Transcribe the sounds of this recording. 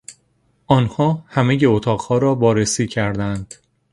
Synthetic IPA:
ʔɒːnhɒːhæme̞je̞ot̪ʰɒːʁhɒːɾɒːbɒːɾesiːcʰæɾd̪ænd̪̥

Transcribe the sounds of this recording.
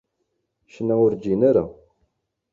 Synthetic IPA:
ʃnːæʊɾd͡ʒinaɾa̰

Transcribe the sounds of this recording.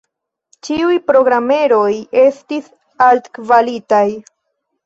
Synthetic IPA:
t͡ʃiujpɾo̞ɡɾame̞ɾo̞je̞stis | altkvalitaj

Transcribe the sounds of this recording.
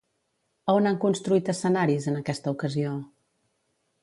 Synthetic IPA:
əonaŋkunst̪ɾuit̪əsənaɾizənəkɛst̪əukəzio

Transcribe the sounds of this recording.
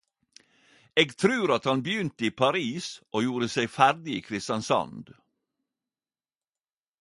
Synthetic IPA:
eːɡt̪ʰɾʉːɾɑt̪hɑnbjʏnt̪əiːpʰɑɾiːsʔoːjuːɾəseɪfæɾd̪ɪḭːkʰɾɪst̪ɑnsɑ̰nd̪

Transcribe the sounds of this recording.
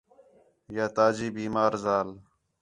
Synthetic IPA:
jaːt̪aːd͡ʑiːbiːmaːɾzaːl

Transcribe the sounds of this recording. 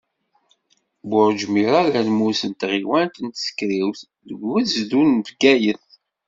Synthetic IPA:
bʊɾd͡ʒmiɾɑɾænmusənt̪ʁiwænt̪ənt̪sə̥kɾiwθ | ðəɡːæzd̪unvɡæjəθ

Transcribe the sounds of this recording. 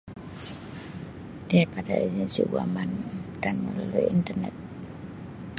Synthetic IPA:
diaipada̰id͡ʒɛnsḭbuamand̥anməlalujint̪ərnɛ̰t̪̚

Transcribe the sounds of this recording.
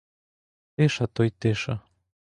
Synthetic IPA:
t̪eʃat̪ojt̪eʃa

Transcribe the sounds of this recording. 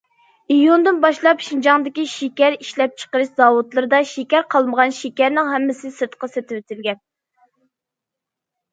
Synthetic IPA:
ijund̪ɨnbɑʃlˠɑpʃind͡ʒɑŋd̪ɪkʲiʃekʲæɾiʃlɛp̚t͡ʃʰə̥qəɾɨʃzɑwut̪lˠɨɾɨd̪ɑʃekʲæɾqʰɑlˠməʁɑnʃekʲæɾnɪŋɦɛmːɪsɪsɨɾt̪qʰɑset̪ʰɪwet̪ʰɪlɡʲɛn

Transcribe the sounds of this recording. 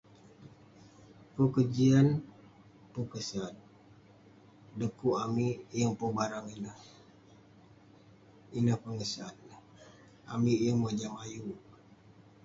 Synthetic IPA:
pəkəd͡ʒian | pukəsan | dəkuʔamijəŋpuŋbaɾaŋinəh | inəhpəŋəsan | a̰mijəŋməd͡ʒamaju

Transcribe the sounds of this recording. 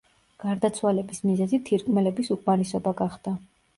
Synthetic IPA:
ɡ̥aɾd̪at̪sʰwalɛbismizɛzit̪ʰiɾkʼmɛlɛbisukʼmaɾɛsɔbaɡaχd̪̥a

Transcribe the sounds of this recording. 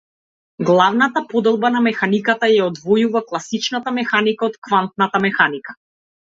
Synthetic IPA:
ɡlˠavnat̪apɔd̪ɛlˠbanamɛxanikat̪ajaɔd̪vɔjuvaklˠasit͡ʃnat̪amɛxanikaɔt̪kvant̪̚nat̪amɛxanikḁ

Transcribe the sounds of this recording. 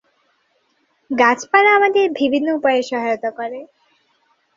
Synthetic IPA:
ɡat͡ʃpaɽ̃aːmad̪eɾbʱibʱinːɔupɔjeʃɔɦajɔt̪ɔkɔɾe

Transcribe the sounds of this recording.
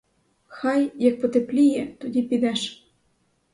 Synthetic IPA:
xɑjjɑk̚pot̪eplʲijɛt̪odʲipid̪ɛʃ

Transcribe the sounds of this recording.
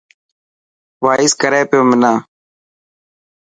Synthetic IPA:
ʋaːɪskəɾeːpɪjoːmɪnãː

